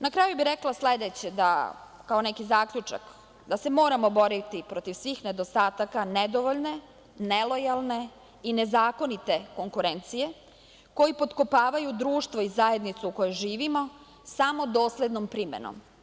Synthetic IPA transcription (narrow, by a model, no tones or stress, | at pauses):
nakɾaːjubiɾeklˠasled̪et͡ɕed̪a̰ | kaonekizaːkʎut͡ʃa̰k | d̪ase̞mo̞ːɾamo̞bo̞ɾit̪ipɾot̪iʋsʋixne̞d̪ost̪aːt̪akaned̪oʋoʎne̞ | nelo̞jalˠne̞ | ine̞zaːko̞nit̪e̞ko̞ŋkuɾe̞nt̪sije̞ | ko̞jipo̞t̪kopaːʋajud̪ɾuːʃt̪ʋo̞izaje̞d̪nit̪suuko̞joʒiːʋimo̞ | samo̞d̪o̞ːsled̪nompɾimḛno̰m